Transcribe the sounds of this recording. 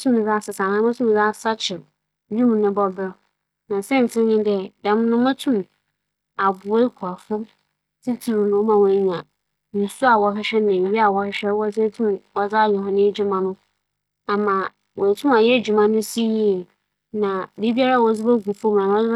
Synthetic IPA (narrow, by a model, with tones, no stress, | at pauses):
tʰũ˦m̃˨za˦˨sɪ˨sã˨nã˦mʊ̃˦tʰũ˦m̃˨d͡za˦˨sa˦t͡ɕʰɪ˨ɾ | d͡ʑᶣũ˦m̃˨nɪ̃˦bɔ˦bɪ˦ɾ | nã˨sɛ̃˦n˨tʰɪ̃˦ɲɪ̃˦dɛ˦da˨m˦nʊ̃˦mã˦tʰũ˦m | a˨bʊ˨˦e˦kʷʰu˨a˨fʊ˦ | tʰi˦tʰi˨ɾu˨nʊ̃˨˦mã˨wɔ̃˨˦ɲã˨ | nɪ̃˨su˦a˨wɔ˨˦ɦɪ˦ɕᶣɛ˦nɪ̃˨bi˨bi˦a˨wɔ˨hɪ˦ɕᶣɛ˦ɾwɔ˦sɛ˦tʰũ˦mɔ˨d͡za˦˨jɛ˨ɦɔ̃˦nɪ̃˦e˦d͡ʑu˦mã˦nʊ̃˦ | a˨mã˨ | wɔ̃˨tʰũ˦ma˨jɛ˦˨d͡ʑᶣu˨mã˦nʊ̃˦si˦ɲĩ˦˨ | nã˨bi˦bi˦a˦ɾa˦˨wɔ˨˦d͡zɪ˦bɛ˦ɡu˨fɔ̃˦m˨nã˨mã˦